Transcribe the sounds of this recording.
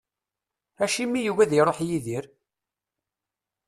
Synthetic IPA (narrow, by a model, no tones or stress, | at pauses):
æʃimːijuwæðiɾˤoħjiðiɾ